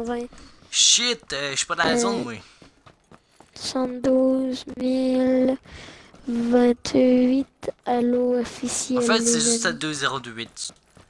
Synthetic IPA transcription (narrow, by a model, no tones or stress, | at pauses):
vɛ̃ | ʃit̪ɛʃpɛ̃d̪aɛzɔ̃mɛ̃ | sɑ̃d̪uzmil | vɛ̃t̪ʰɥit̪aloɔfisj̃ɛ̃fɛt̪seʒst̪ad̪øzeʁod̪øwit̪